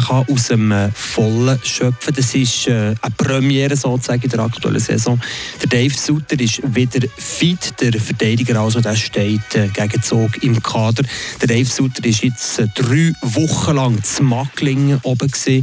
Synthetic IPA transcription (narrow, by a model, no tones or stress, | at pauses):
χɑʔusəmːfɔləʃœpfədɑsɪʃɛəprœmjɛːɾəsoːt͡sæɡəidəɾɑ̰ktuɛ̰lʔəsɛ̰zɔ̃ːd̥ədɛɪfsut̪əɾɪʃʋɪdəɾfitd̥əɾfətɛɪdɪɡəɾɑls̬odæːʃtɛɪtʰɛɡ̥æɡət͡soːɡɪmkʰɑːdəɾd̥ədɛɪfsutəɾɪʃjɪt͡sːd̥ryːvʊχːəlɑŋt͡smɑklɪŋəʔɔbəksiː